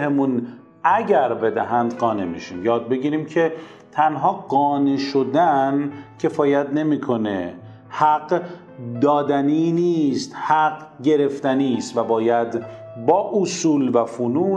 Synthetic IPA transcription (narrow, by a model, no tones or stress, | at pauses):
hemun | æɟæɾbe̞d̪æɦænd̪ɢɒːne̞mḭʃimjɒːd̪̚be̞ɡiːɾiːmcʰe̞ | t̪ʰænɦɒːɢɒːneʃo̞d̪æncʰe̞fɒːjæt̪ne̞miːkʰo̞ne | hæɡ | d̪ɒːd̪æniniːst̪hæɢɟe̞ɾe̞ft̪æniːst̪væbɒːjæd̪ | bɒːʔosuːlvæfonuː